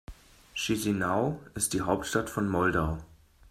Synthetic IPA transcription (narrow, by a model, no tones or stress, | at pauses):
ʃizinaʊɪst̚d̥iːɦaʊp̚tʃtatfɔnmɔldaʊ